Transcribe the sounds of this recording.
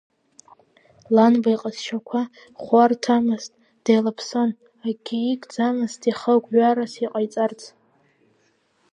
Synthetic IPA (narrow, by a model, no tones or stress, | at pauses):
lanbajqʼazʃʰakʷʰa | χʷartʰamɨztʼ | d̥ajlapʰson | aɡʲiikʼd͡zamɨztʰʼiχəɡʷʼɥʷaɾasiqʼajt͡sʼart͡sʰʼ